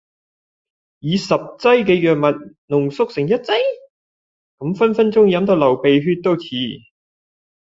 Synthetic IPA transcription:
jiː˨˧sɐ˨p̚t͡sɐ˥jkɛː˧jœː˨k̚mɐ˨t̚ | nʊ˨˩ŋsʊ˥k̚sɪ˨˩ŋjɐ˥t̚t͡sɐ˥j | kɐ˨˧˥mfɐ˥nfɐ˥nt͡sʊ˥ŋjɐ˨˧˥mt̪ɐ˧˥wlɐ˨˩wpe˨jɦyː˧t̚t̪o˥wt͡sʰiː˨˥

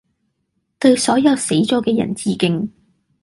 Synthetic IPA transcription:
t̪ɵ˧ɥsɔː˨˥jɐ˨˧wse˨˥jt͡sɔː˨˥kɛː˧jɐ̰˨˩nt͡siː˧kɪ˧ŋ

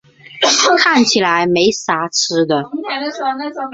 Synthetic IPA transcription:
kʰa˥˩nt͡ɕʰi˨˩la˧˦˥ɪme˧˥ɪsa˧˥ʈ͡ʂ̩ʰ˥d̪ə˨

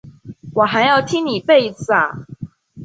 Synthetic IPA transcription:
wɔ˨˩xa˧˦ɪjɑ˥˩ʊt̪ʰi˥ŋni˨˩pe˥˩ɪd͡zɹ̩˨˩a̰˩

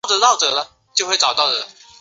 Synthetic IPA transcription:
ʊd̪ə˨˧˦t̪ɑ˥˩ʊʈ͡ʂɤ˨˩˦lə˦ | t͡ɕjo˥ʊxwe˥˩ʈ͡ʂɑ˨˩ʊt̪ɑ˥˩ʊd̪ə˩˦

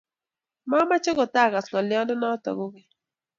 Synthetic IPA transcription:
ma˦ma˦t͡ʃɪ˦kɔ˨ta˦˨ka˨slɔ˨lɪ˨˦ɔ˦ndɔ˦na˦tɔ̰˨ɡʊ˦kɪ˦

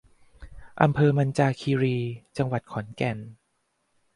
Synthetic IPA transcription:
ʔa˧mpʰɤː˧ma˧nt͡ɕaː˧kʰiː˧ɾiː˧t͡ɕa˧ŋwa˨˩t̪̚kʰɔ˩˦nkɛ˨˩n

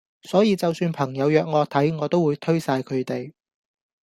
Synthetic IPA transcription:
sɔː˨˥jiː˨˧t͡sɐ˨wsyː˧npʰɐ˨˩ŋjɐ˨˧wjœː˨k̚ŋɔː˨˧t̪ʰɐ˨˥jŋɔː˨˧t̪o˥wuː˨˧jt̪ʰɵ˥ɥsaː˧jkʰɵ˨˧t̪e˨j

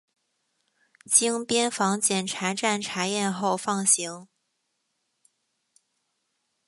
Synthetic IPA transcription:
t͡ɕi˥ŋpjɛ˥nfɑ˧˥ŋt͡ɕjɛ˨˩nʈ͡ʂʰa˧˥ʈ͡ʂa˥˩nʈ͡ʂʰa˧˥jɛ˥˧nxo˥˧ʊfɑ˥˩ŋɕi˧˥ŋ

